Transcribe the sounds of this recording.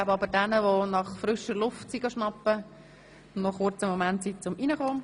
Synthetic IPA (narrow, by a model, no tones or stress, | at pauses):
abəɑbəɾdanəʋonɑχfɾʏʃəɾlʊftt͡siɡɑʃnɑpːə | ʊnnɔχʊrt͡səmomæntsit͡sʊmʔinəχoː